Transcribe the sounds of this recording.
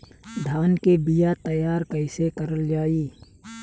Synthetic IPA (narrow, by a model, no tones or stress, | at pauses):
d̪ʱaːnkebijat̪ɐjaːɾkɐɪsekɐɾəld͡ʒaːiː